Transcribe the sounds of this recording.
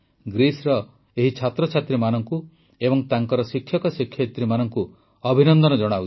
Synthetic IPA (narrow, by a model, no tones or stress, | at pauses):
ɡɾisɾɔ | eɦit͡ʃʰat̪ɾɔt͡ʃʰat̪ɾimanɔŋku | ebɔŋt̪aŋkɔɾɔsikʰːjɔkɔsikʰjɔt̪ɾimanɔŋku | ɔbʱinɔnd̪ɔnɔd͡ʒɔɽ̃au